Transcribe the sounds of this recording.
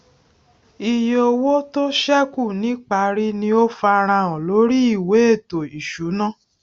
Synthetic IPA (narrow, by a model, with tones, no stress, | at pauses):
i˧jo˧wo˦to˦ʃɛ˦ku˦˨nĩ˨˦k͡pa˧˨ɾi˦nĩ˧o˦fa˧ɾ̃ã˧ɔ̃˨lo˨˦ɾi˦i˦˨we˨˦e˦˨to˨i˨ʃu˨˦nã˦˨